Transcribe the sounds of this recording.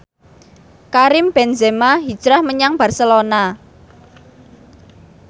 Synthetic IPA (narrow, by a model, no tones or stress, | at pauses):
kaɾɪmb̥ɛnzemaɦid̥ʒ̥ɾahməɲaŋb̥a̤rsəlona